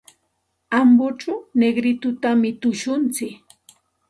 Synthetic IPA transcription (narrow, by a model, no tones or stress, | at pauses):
ambʊʈ͡ʂʊneɡɾɪt̪ʊt̪amɪt̪ʊʃʊnt͡sɪk